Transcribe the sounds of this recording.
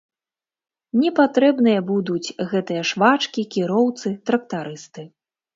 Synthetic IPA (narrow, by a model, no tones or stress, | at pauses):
nʲɛpat̪ɾɛbnɨjɐbud̪ut͡sʲɣɛt̪ɨjɐʂvat͡ʂkʲikʲiɾɔwt̪sɨt̪ɾɐk̚t̪aɾɨst̪ɨ